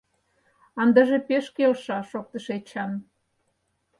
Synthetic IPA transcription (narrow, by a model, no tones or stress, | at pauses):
ɑnd̪ɑʒepeʃkelʃɑʃok̚t̪əʃet͡ɕɑn